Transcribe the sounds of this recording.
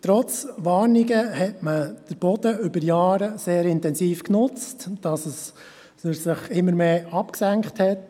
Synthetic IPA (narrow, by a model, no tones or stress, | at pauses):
tɾɔt͡sʋɑːɾniɡəhɛtməd̥əɾb̥ɔd̥̪əʏbəɾjɑːɾəseːɾɪntɛnsiːfknʊt͡std̥ɑsəs | əsɪχɪmːəɾmeːɑpksæŋkχthɛt